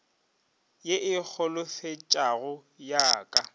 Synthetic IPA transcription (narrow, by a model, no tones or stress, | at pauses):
jeʔɪk͡xʰɔlʊfet͡ʃʼaɣʊ | jaːkʼa